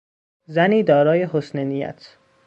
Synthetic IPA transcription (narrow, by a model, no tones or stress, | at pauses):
zæniːd̪ɒːɾɒːje̞ɦosnenijæ̰t̪ʰ